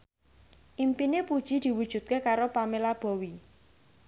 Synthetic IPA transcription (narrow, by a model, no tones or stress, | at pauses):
ʔimpinepud̥ʒ̥i̤d̪̥i̤wud̥ʒ̥ṳt̪̚kekaɾopamelab̥ɔ̤wi